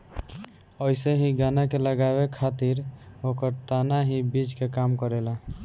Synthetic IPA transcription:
əɪseɦĩɡanakeləɡaβekʰat̪iɾokəɾt̪anaɦĩbid͡ʒkekamkəɾela

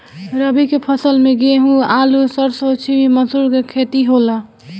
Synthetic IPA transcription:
ɾəbikepʰəsəlmẽɡeɦũaːlusəɾsot͡ʃʰibiməsuɾkekʰeːt̪iɦola

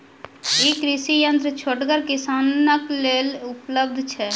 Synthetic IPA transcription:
ikɾiʃijənt̪ɾət͡ʃʰoʈɡəɾkisanəklelupləb̚d̪ʱt͡ʃʰɛ

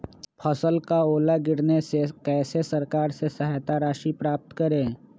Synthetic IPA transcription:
pʰəsəlkaoːlaɡɪɽnesekɛːsesɐɾkaːɾsesɐɦaːt̪aɾaːʃipɾaːp̚t̪kəɾẽː

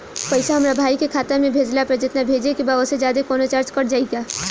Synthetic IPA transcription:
pɐɪsaɦɐmɾabʱaːikekʰaːt̪əɾmẽbʱeːd͡ʒlapɾɐd͡ʒət̪nabʱeːd͡ʒekibaosed͡ʒjaːd̪ekɔːnot͡ʃaːɾt͡ʃkɐɽd͡ʒaːiɡaː

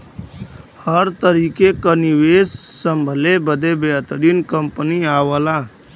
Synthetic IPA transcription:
həɾt̪əɾiːkekəniʋeːssəmbʱəlebəd̪ebeət̪ɾinkəmpəniaːʋəlaː

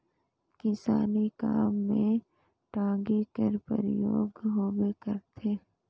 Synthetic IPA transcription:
kɪsaːnikaːmːẽ | ʈãːɡikəɾpə̰ɾɪjoːɡɦoːwekəɾt̪ʰeː

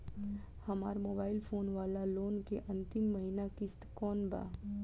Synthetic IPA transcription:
hɐma̰ːɾmoːbaːɪlpʰoːnʋaːlaloːnkeʔɐ̃nt̪ɪmːɐɦinakɪst̪kɔːnba̰ː

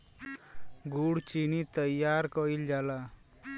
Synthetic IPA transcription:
ɡuɽt͡ʃinit̪əjːaɾkɔild͡ʒala

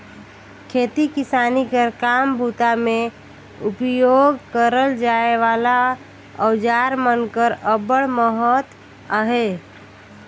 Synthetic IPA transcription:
kʰet̪ikisanikəɾkambʱut̪ame | upjoɡkəɾəld͡ʒaeʋala | əwd͡ʒaɾmənkəɾəbəɽməɦət̪ | əɦe

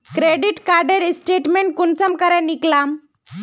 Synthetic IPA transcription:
kɾeɖiʈkaɾɖeɾisʈeʈmeɳʈ̚kunt͡səmkəɾaniklam

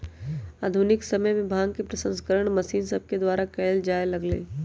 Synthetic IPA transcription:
aːd̪ʱʊnɪksɐməjmẽbʱaːɡkepɾəsə̃nskəɾəɽ̃mɐsiːnsəb̚ked̪waːɾakɛːld͡ʒaːɪlɐɡlḛː

